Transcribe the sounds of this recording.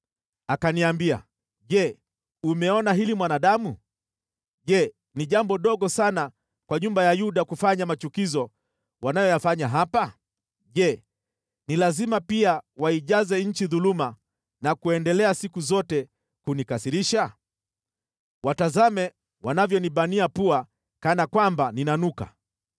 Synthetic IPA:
akaniambia̰ | ʄɛ | umɛɔnaɦilimwanaɗamu | ʄɛ | niʄambɔɗɔɠɔsana | kwaɲumbajajuɗakufaɲamat͡ʃukizɔ | wanajɔjafaɲaɦapa | ʄɛ | nilazimapiawaiʄazɛɲ̩t͡ʃiðuluma | nakuɛndɛlɛasikuzɔtɛ | kunikasiɾiʃa | watazamɛ | wanavjɔniɓaniapua | kanakwambaninanuka̰

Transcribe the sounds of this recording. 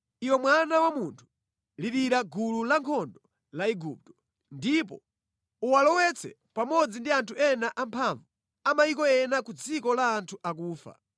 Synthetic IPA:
iwɔmwanawamuntʰu̥ | liɾiɾaɡululaŋkʰɔndɔ | laiɡup̚tɔ̥ | ndip̬ɔ̰ | uwalɔwɛt͡sʰɛ̰ | pamɔd͡zindiantʰuɛnaʔampʰaɱvu | amajikɔɛnakud͡zikɔlaːntʰuʔak̬uːfa̰

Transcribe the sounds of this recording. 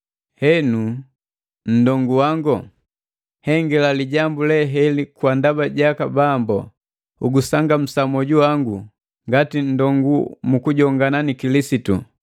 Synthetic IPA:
hɛnu | n̩dɔŋɡuwaŋɡɔ | hɛŋɡɛlaliɟambulɛɦɛlikwandabaɟakabambɔ̰ | uɡusaŋɡam̩samɔɟuwaŋɡu | ŋɡatin̩dɔŋɡumukuɟɔŋɡananikilisitṵ

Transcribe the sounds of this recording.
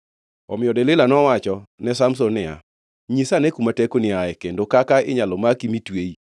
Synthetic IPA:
ɔmɪɔdɛlɪlanɔwat͡ʃɔnɛsamsɔnɪa̰ | ɲisanɛkumatɛkonɪaɛkendokakaɪɲalɔmakimitwei

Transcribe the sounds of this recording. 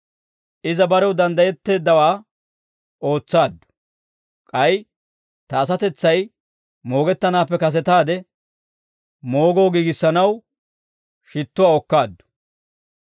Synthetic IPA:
ʔɪzɐbɐɾɛwd̪ɐnd̪ɐjɛt̪ːe̞ːd̪ːɐwaː | o̞ːt͡sːaːd̪ːʊ̥ | kʼɐj | t̪ɐːs̬ɐt̪ɛt͡sːɐj | mo̞ːɡɛt̪ːɐnaːpːɛkɐs̬ɛt̪aːd̪ɛ | mo̞ːɡo̞ːɡiːɡɪsːɐnɐw | ʃɪt̪ːʊwaːɔkːaːd̪ːʊ̥

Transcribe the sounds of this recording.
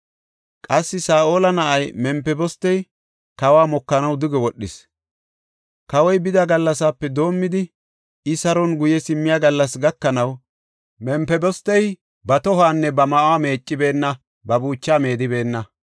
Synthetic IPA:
kʼɐsːɪsaːʔo̞ːlɐnɐʔɐjmɛmpɛbɔst̪ːɛj | kɐwaːmɔkːɐnɐwd̪ʊɡɛwɔɗːɪs | kɐwɔjbɪd̪ɐɡɐlːɐsaːpːɛd̪o̞ːmːɪd̪ɪ | ɪsɐɾɔnɡʊjɛsɪmːɪjaːɡɐlːɐsɡɐkːɐnɐw | mɛmpɛbɔst̪ːɛj | bɐt̪ɔɦaːnːɛbɐmɐʔwaːme̞ːt͡ʃʼːɪbe̞ːnːɐ | bɐbuːt͡ʃːaːme̞ːd̪ɪbe̞ːnːɐ

